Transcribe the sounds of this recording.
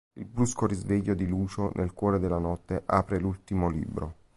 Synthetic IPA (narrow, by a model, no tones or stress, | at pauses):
ilbɾuskoɾizveʎːod̪iluːt͡ʃonʔelkwɔːɾed̪elːanɔt̪ːeʔaːpɾelult̪imolḭːbɾo